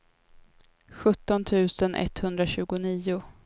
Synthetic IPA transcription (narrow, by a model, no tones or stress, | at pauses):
ɧɵt̪ːɔnt̪ʰʉ̟ːsənʔɛ̰t̪ːhɵnd̪ɾaɕʉ̟ːɡʊniːʊ